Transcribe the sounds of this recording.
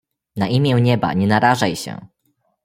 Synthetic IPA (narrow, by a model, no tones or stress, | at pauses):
naʔimʲjɛ̃w̃ɲɛba̰ɲɛnaɾaʐajɕɛ̰